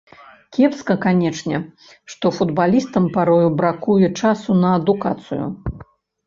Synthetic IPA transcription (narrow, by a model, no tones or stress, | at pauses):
kʲɛpskɐkanʲɛt͡ʂnʲɛ | ʂt̪ɔfud̪balʲist̪ɐmpaɾɔjubɾakujɛt͡ʂasunɐːd̪uka̰t̪sɨ̰jṵ